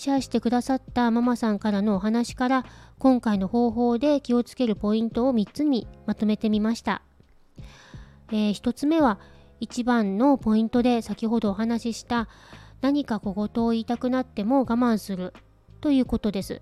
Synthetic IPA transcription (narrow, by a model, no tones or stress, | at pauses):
ɕiaɕi̥t̪e̞kɯ̟d̪asat̪ːamamasãŋkaɾano̞ːɦanaɕi̥kaɾakõ̞ŋkaino̞ho̞ːɦo̞ːd̪e̞kʲio̞t͡sɨ̥ke̞ɾɯ̟po̞ĩnt̪o̞ːmʲitt͡sɨɲʲimat̪o̞me̞t̪e̞mʲimaɕi̥t̪a̰ | eːçi̥t̪o̞t͡sɨme̞βa | it͡ɕibãnːo̞po̞ĩnt̪o̞d̪e̞sakʲiɦo̞d̪o̞ːɦanaɕiɕi̥t̪anaɲ̟ikako̞ɡo̞t̪o̞ːiːt̪akɯ̟nat̪ːe̞mo̞ɡamãɰ̃sɨɾɯ̟ | t̪o̞jɯ̟ːko̞t̪o̞d̪e̞sɨ̰